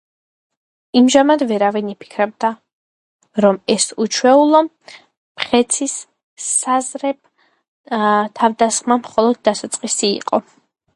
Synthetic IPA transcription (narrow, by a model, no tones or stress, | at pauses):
imʒamad̪vɛɾavinipʰi̥kʰɾɛb̚d̪a | ɾɔmɛsut͡ʃʰwɛulˠɔ | pχɛt̪sʰisː | azɾɛb̚ | t̪ʰavd̪asχmamχɔlˠɔd̪̚ːasat̪sʼqʼisḭːqʼɔ